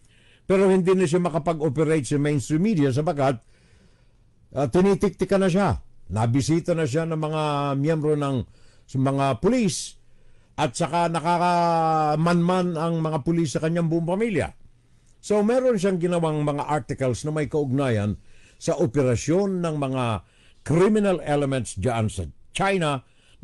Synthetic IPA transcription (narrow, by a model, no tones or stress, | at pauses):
pɛɾo̞hɪnd̪inɐʃ̬amɐkɐpɐɡopɛɾejt̪sɐmejnst̪ɾimid̪ias̬ɐpakat̪̚ | t̪ɪnit̪ɪk̚t̪ɪkɐnɐʃanɐbɪsiːt̪ɐnɐʃ̬anɐŋmɐŋamjɛmbɾo̞nɐŋ | mɐŋapʊlis | ʔɐt̪̚t͡ʃɐkanɐkakamanmanɐŋmɐŋapʊlis̬ːɐkɐɲaŋbʊʔoŋpɐmiljɐ̰ | so̞wmɛɾonʃ̬aŋɡɪnɐwaŋmɐŋaʔaɹt̪ɪkɐlsnɐmɐjkɐʔʊɡ̚naːjɐn | sɐʔopɛɾɐso̞nːɐŋmɐŋa | kɾimɪnalɛlɛmɛ̃nt̪sd͡ʒaʔansɐt͡ʃajnɐ